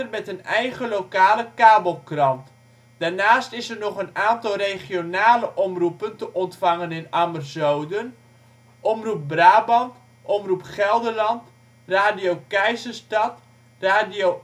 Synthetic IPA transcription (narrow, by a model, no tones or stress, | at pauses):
ərmɛtənɛjɣəlowkaːləkaːbəlˠkrɑnt | d̥arnaːstɪsərnɔχənaːntɑlˠrejχjonaːləʔɔmrupəntəʔɔntfɑŋənɪnamərzowdən | ʔɔmrup̚braːbɑnt | ʔɔmrupχɛlˠdərlɑnt | raːdijowkɛjzəstɑt | raːdio